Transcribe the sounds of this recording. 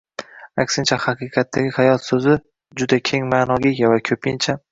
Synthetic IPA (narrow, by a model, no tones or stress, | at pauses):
akʲsɪnt͡ʃʰahaqʰɨːqʰɑt̪ʰːaɡʲɪhajɒt̪sɵzɪ | d͡ʒʊd̪akʲʰe̞ŋmaːnɒɡʲɪɡʲavakʲʰɵpɪnt͡ʃʰa